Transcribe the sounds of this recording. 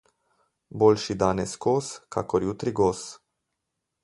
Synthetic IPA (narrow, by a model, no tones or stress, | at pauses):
bolʃid̪aneskoskʰa̰koɾjut̪ɾiɡos